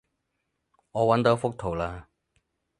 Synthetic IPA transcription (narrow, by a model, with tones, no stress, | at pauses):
ŋɔː˨˧wɐ˨˥nt̪o˨˥wfʊ˥k̚t̪ʰo˨˩wlaː˧